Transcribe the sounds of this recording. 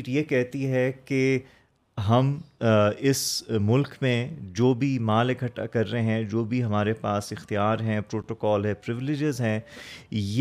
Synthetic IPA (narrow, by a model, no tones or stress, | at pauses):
ʈjekɛɦt̪iɦɛke | ɦɐm | ɪsmʊlkmẽd͡ʒoːbʱimaːleɡʰʱɐʈːa̰kɐɾːeeɦɛ̃d͡ʒoːbʱiɦɐmaːɾepaːsɪxt̪ijaːɾɦɛ̃pɾoːʈoːkɔːlɦɛ̃ːpɾɪʋɪlɪd͡ʒɪzɦɛ̃ːje